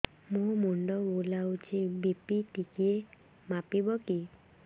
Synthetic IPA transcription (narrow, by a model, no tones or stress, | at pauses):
mũmuɳɖɔbolawt͡ʃʰibipiʈikie | mapibɔki